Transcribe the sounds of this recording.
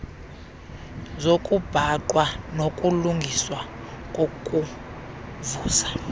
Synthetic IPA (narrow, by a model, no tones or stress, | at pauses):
zokʼub̥ʱaǃʼwanokʼuluŋɡʱiswa | kʼokʼu | vuːsḁ